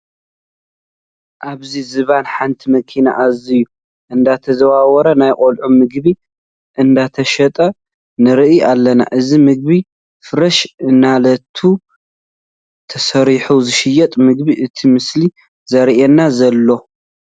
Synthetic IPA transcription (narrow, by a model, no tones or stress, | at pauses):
ʔaβzizɨβanħant̪ʰimɐkʰina̰ʔaziju | ʔɨnd̪at̪ʰɐzɐwawɐɾɐnajqʼolʕumɨɡβi | ʔɨnd̪at̪ʰɐʃɐt̪ʼɐ | nɨɾɨʔialːɐna̰ʔɨzimɨɡ̚βi | fɨɾɐʃɨnːalɐt̪ʰu | t̪ʰɐsɐɾiħuzɨʃɪjɛt̪ʼmɨɡ̚biʔɨt̪ʰimɨsli | zɐɾʔɛnːazɐlːo̞